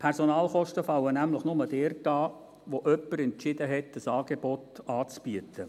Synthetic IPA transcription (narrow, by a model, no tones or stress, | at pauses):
pʰɛɾsonɑːlχɔʃtəfɑwənæmləχnʊməd̥ɛːrtɑː | ʋoʔœpːəɾɛnt͡ʃɪdəɦɛtd̥əsɑːɡebɔtɑːt͡sb̥yətʰə